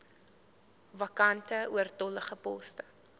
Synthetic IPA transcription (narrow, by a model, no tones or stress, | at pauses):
vɐkɐntəuərtɔləχəpɔ̰stə̥